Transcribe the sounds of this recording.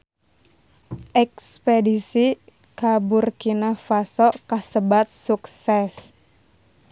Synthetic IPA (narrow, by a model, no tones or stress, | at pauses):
ʔɛkspedisi | kabʊrkinafasɔkasəbat̪̚suksɛs